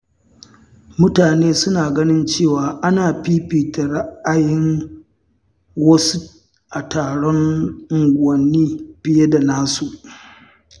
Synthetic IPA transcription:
mʊ˦taː˨neː˦sʊ˦naː˨ɡɐ˦nɪ˦nt͡ʃeː˦˨waː˨ʔa˦naː˨ɸiː˦piː˨ta˨ɽɐ˦ʔa˨jɪ˦ŋ | wɐ˦su˦ | ʔa˨taː˨ɽɔ˦ŋ˦ | wɐ˨nːiː˦b̥ɪ˦je˦da˨naː˦su˨ʔ

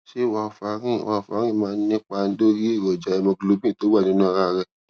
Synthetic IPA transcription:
ʃe˦˨wa˧˨fa˨˦ɾḭ̃˦˨wa˧˨fa˨˦ɾ̃ĩ˦˨mãː˦nĩ˦k͡pa˧n̩˦do˦ɾi˦e˦˨ɾɔ˨d͡ʒa˨˦ɛ˧mɔ̃˧ɡlo˧˦bĩ˦˨to˨˦wa˦˨nĩ˨˦nũ˦a˧ɾa˦˨ɾɛ˦

